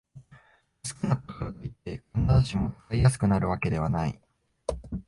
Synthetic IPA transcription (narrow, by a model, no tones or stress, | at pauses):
sɨ̥kʲɯnakokoɾot̪oit̪ːe̞kõnːat̪oɕimo̞̥kaijas̬ɨ̥kɯ̟naɾɯ̟βake̞d̪e̞β̞anaḭ